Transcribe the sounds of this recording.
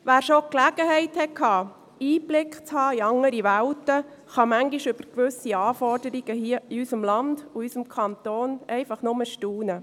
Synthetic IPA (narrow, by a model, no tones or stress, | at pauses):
ʋæːɾʃoklæɡəɦɛɪthɛkʰhɑː | iːblɪkχt͡shɑːiɑŋːəɾiʋæwtə | χɑmæŋɡiʃʏb̥əɾkʋʏsiɑːfɔrdəɾiɡ̥əhiəiysəmlɑnd̥uysəmkʰɑnt̪oːnɛɪfɑχnʊməʃtuːnə